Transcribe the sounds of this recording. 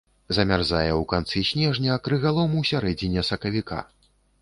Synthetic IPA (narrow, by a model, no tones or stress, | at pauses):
zɐmʲarzajɛwkant̪sɨsʲnʲɛʐnʲɐːkɾɨɣalˠɔmusʲaɾɛd͡zʲinʲɛsɐkɐvʲika̰